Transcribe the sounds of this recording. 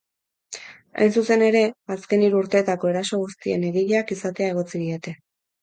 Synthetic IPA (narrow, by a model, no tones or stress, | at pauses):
a̰jnsuse̞ne̞ɾe̞aske̞niɾuuɾt̪e̞ːt̪ako̞e̞ɾaso̞ɣ̞ust̪ie̞̰ne̞ɣiʎakisat̪e̞ae̞ɣ̞o̞t͡siðie̞t̪e̞